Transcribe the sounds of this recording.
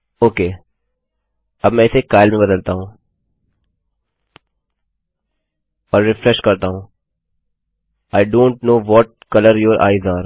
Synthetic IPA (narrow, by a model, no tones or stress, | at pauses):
oːkeː | ɐbmɛ̃ɪsekaːɪlmẽbɐd̪əlt̪aɦũː | ɔːɾːɪfɾɛʃkɐɾt̪aɦũː | aːɪɖõːɳʈnoːʋɔːʈ̚kɐləɾjoːɾʔa̰ːɪzaːɾ